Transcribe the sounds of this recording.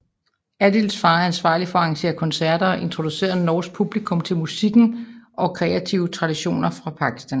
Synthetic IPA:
æd̥ilsfɑ̈ːænsʋɑ̈ːlifɒ̽ɑ̈ŋɕe̝̰ːɐkʰɒ̽nsæɐd̥ɐʔe̝nt͡sʰʁod̥use̝̰ːɐðnɒːs̚pʰub̥likʰɔ̽mt͡sʰe̝lmusiɡ̥n̩ʔɒ̽kʰʁɛæt͡sʰiʊət͡sʰʁɑ̈d̥iɕo̝̰ːnɐfʁɑ̈pʰɑ̈ɡ̥ʰi̥sd̥æn

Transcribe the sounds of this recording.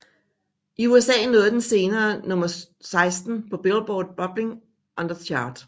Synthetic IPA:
ʔiuesɛ̰ːnoːðˠd̥ense̝ːnɐːnɔ̽mɐ | sɑ̈ɪsd̥n̩pʰɒ̽b̥elb̥ɒːd̥̚b̥ɒ̽b̥le̝ŋ | ʔɒ̽nd̥ɐt͡sʰjɑ̈ːd̥

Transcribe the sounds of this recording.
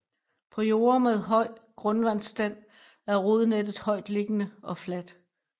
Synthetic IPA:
pʰɒ̽jo̝ːɐmeð̞ˠɦɒ̽ɪ̰ɡ̥ʁɔ̽nʋæn̰sd̥æn̰ | æɐʁo̝ð̞ˠned̥ð̩ˠhɒ̽ɪd̥le̝ɡ̥ənəɒ̽flæd̥

